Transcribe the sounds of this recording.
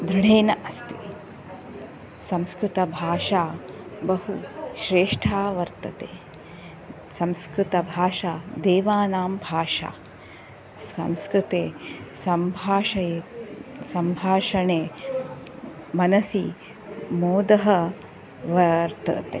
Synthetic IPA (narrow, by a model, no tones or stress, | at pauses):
d̪ɾiɽeːnɐʔɐst̪i | sɐmskɾut̪ɐbʱaːʂaːbɐɦuʃɾeːʂʈʰaːʋɐɾt̪ɐt̪eː | sɐmskɾut̪ɐbʱaːʃaːd̪eːʋaːnaːmbʱaːʂa̰ː | sɐ̰mskɾut̪eːsɐmbʱaːʃɐjesɐmbʱaːʂɐɳeː | mɐnɐsi | moːd̪ɐɦɐ | ʋɐɾt̪ɐ̰t̪e